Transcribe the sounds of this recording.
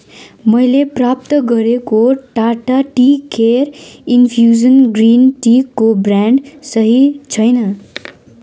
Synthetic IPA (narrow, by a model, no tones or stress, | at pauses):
mʌjleprap̚t̪ʌɡʌɾekoʈaʈaʈikeɾinpʰjuzʌnɡrinʈikːobraɳɖsʌɦit͡sʰʌjnʌ